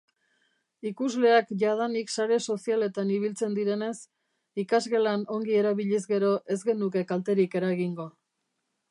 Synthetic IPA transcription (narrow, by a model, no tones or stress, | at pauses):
ikuzle̞akʝað̞aniksaɾe̞so̞siale̞t̪aniβilt͡se̞nd̪iɾe̞ne̞s | ikazɣe̞lano̞ŋɡie̞ɾaβiʎizɡe̞ɾo̞ʔe̞zɡe̞nuke̞kalt̪e̞ɾike̞ɾaɣiŋɡo̞